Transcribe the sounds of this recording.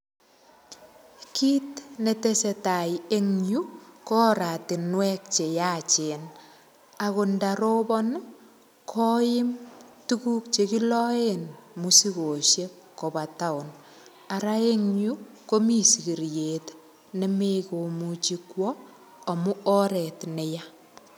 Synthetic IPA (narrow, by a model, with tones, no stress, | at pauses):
kiː˦tne˨te˦se˨ta˨je˦ŋɲu˦kɔ˦ɾa˨tɪ˨nwɛk̚t͡ʃe˨jaː˦t͡ʃe˨n | ako˨ndaɾobɔ˦n | kʰɔ˦jɪ˦mtu˦kuː˦k̚t͡ʃe˨ki˦lɔ˦enmusi˦ko˨ʃje˦k | kːo˨ba˨ta˦ʊ˨n | a˨ɾae˦ŋɲu˦ | ko˦mi˦si˨ki˨ɾje˨t | ne˨me˦ko˨mut͡ʃikwɔː˨ | mu˦ɔɾɛtne˨ja˦